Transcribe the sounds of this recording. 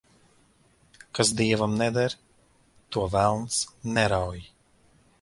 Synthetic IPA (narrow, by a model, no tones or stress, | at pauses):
kasd̪iɛvamnɛd̪aɾ | t̪uɔvælˠnsnɛɾawji